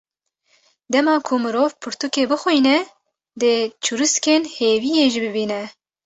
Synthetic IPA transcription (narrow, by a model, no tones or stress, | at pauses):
d̪ɛmɑːkʰumɨɾoːvpʰɨɾt̪ukeːbɨxujnɛ | d̪ɨt͡ʃʰuɾɨskeːnheːvijeːʒibɨbiːnɛ